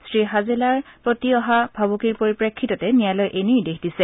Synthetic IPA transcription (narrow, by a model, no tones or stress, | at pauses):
sɹiɦazelaɹpɹotiɔɦabʱabokiɹpoɹipɹekʰːitɔtɛnijalɔjʔenijdekʰdisɛ